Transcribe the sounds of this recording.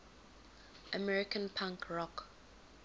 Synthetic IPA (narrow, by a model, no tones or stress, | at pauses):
ʔəmɛɹikʰə̃npʰãŋkɹɔk